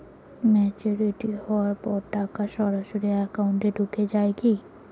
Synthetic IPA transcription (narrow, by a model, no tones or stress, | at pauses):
mɛt͡ɕoɾiʈihɔwaɾpɔɾʈakaʃɔɾaʃoɾiɛkauɳʈeɖuked͡ʑaeki